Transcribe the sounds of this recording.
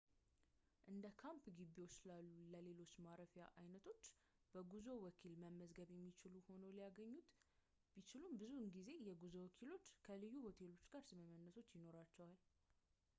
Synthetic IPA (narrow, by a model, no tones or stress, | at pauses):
ʔɨnd̪əkʰampɡibːiwot͡ʃːsɨlalːuləle̞lo̞t͡ʃːmaɾəfjaʔajnət̪ʰo̞t͡ʃː | b̥əɡuzo̞wɔkʰilməmːəzɡəβjɛmːit͡ʃɪluho̞nəwlijaɡəɲːut̪ | b̥it͡ʃɪlumbɨzunɡize̞jɛɡuzowɔkʰilo̞t͡ʃːkʰəlɨjːuho̞t̪ʰe̞lo̞t͡ʃːɡ̥aɾsɨməmːənːəso̞t͡ʃːjɪno̞ɾat͡ʃːɛwal